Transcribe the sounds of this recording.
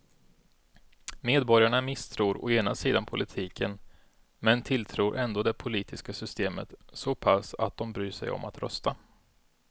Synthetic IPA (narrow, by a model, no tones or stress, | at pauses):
meːd̪bɔɾjaɳamɪst̪ʰɾuːɾɔ̰eːnasiːd̪anpʰʊlʔɪt̪ʰiːkʰən | mɛnt̪ʰɪlt̪ʰɾuːɾʔɛnd̪oːd̪ɛpʰʊliːt̪ʰɪskasʏst̪eːmə̰t̪sɔpʰasa̰t̪̚d̪ɔmbɾyːʂɛ̰jɔ̰mʔa̰t̪ɾœ̰st̪a